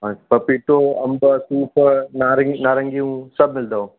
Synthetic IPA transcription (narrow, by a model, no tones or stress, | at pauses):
ɦapɐpiʈoɐmbəsuːpənaːɾnaːɾɐ̃ŋɡiũsɐbmɪld̪ao